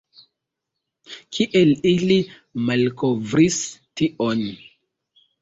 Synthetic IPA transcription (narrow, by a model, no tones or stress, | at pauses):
kʰiʔelili | malkovɾistiʔon